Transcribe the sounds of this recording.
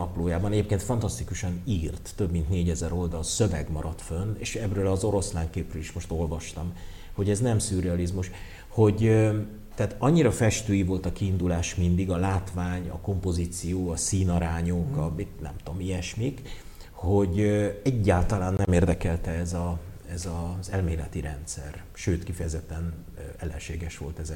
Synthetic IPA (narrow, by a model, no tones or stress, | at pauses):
ɒploːjaːbɒnɛɟeːp̚keːnt̪fɒnt̪ɒst̪ikuʃɒniːrt̪ːø̞bmint̪neːɟɛzɛɾo̞ld̪ɒlsøvɛ̰ɡmɒɾɒt̪fønːḛːʃɛbrøːlɒzo̞ɾo̞slaːŋkeːprøliʃmo̞ʃt̪o̞lvɒʃt̪ɒm | ho̞ɟɛznɛmsyɾɛɒlizmuʃ | ho̞ɟø | t̪ɛat̪ɒɲːiɾɒfɛʃt̪øːjivo̞lt̪ɒkiːnd̪ulaːʃmind̪iɡɒlaːt̪vaːɲɒ̰ko̞mpo̞ziːt̪sijoːɒsiːnɒɾaːɲokɒit̪nɛ̰mt̪omijɛʃmik | ho̞ɟøɛɟːaːlt̪ɒlaːnːɛmeːrd̪ɛkɛlt̪ɛɛzɒ | ɛzɒzɛlmeːlɛt̪iɾɛnt̪sɛ̰r | ʃøːt̪kifɛjɛzɛt̪ːɛn | ɛlːɛ̰nʃeːɡɛʃʋo̞̰lt̪ɛzɛ